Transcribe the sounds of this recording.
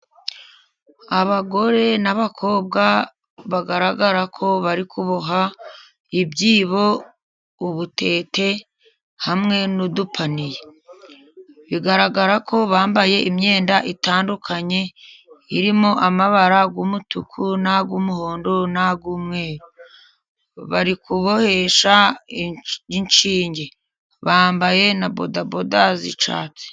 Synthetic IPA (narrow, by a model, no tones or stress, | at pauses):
aβaɡo̞ɾe̞naβakʰo̞ːb̚ɡa | βaɡaɾaɡaɾakʰo̞βaɾikʰuβoɦa | ibɟiːβo̞ | uβutʰe̞ːte̞ | hamŋe̞nudupʰanije | βiɡaɾaɡaɾakʰo̞βaːmbaje̞ʔimɲe̞ːndaʔitaːndukʰaɲe̞iɾimo̞ʔamaβaɾaɡuːmutukʰunaɡuːmuhoːndonaɡuːmŋe̞ːɾo | βaɾikuβo̞he̞ʃa | iɲt͡ʃiːɲɟe̞ | βaːmbaje̞nabo̰dabodazḭt͡ʃa̰ːt͡se̥